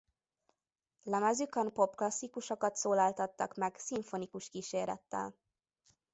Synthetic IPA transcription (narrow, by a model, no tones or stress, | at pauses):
lɛmɛzykønpo̞pklɒsːikuʃokɒt̪soːlaːlt̪ɒt̪ːɒkmɛɡsiɱfonikuʃkiːʃeːɾɛ̰t̪ːɛ̰l